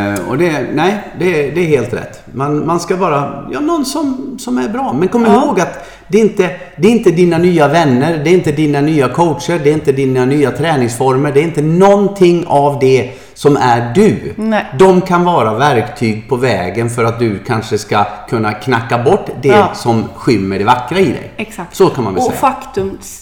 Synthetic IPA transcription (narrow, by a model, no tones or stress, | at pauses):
ɔ̰d̪ɛnɛɪd̪ɛd̪ɛːɾheːlt̪ɾɛ̰t̪ːmanmanskavɑːɾajɑ̰ːnɔnsɔmsɔmæɾbɾɑːmɛnkʰɔmːəɾɪhoːɡat̪ | d̪ɛɪnt̪ə | d̪ɛɾɪnt̪əd̪inanyːavɛnːəɾd̪ɛɾɪnt̪əd̪inanyːakʰɔwt̪ʂəɾɖɛɪnt̪əd̪inanyːat̪ʰɾɛːnɪŋsfɔɾməɖɛɾɪnt̪ənɔnt̪ʰɪŋːavd̪ɛ | sɔmæɖɵd̪ɔmkʰanvɑːɾavæɾkt̪ʰyːɡ̚pʰɔvɛːɡənfœɾat̪̚d̪ɵkʰanʂəskakʰɵnːakʰnakːabɔʈːd̪ɛsɔmɧʏmːəɖɛvakːɾaɪd̪ɛ̰jasɔkʰanmanvɛsɛ̰fakt̪ɵm